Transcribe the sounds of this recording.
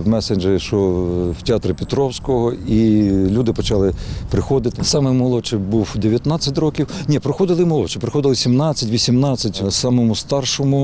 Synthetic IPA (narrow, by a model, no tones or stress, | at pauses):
mɛsenʲd͡ʒeʃɔwtʲɪɑt̪ɾʲɪpʲɪt̪ɾɔwsʲkɔɦɔilʲud̪ɪpɔt͡ʃɑlˠɪpɾɪxɔd̪ɪt̪ɪsɑmɪmɔlˠɔt͡ʃɪbuwd̪eʋʲjɐt̪nɑt͡sʲːɐtʲrɔkʲiwnʲipɾɔxɔd̪ɪlˠɪmɔlˠɔt͡ʃɪpɾɪxɔd̪ɪlˠɪsʲimnɑt͡sʲːɐtʲʋʲisʲimnɑt͡sʲːɐtʲsɑmɔmʊst̪ɑrʃɔmʊ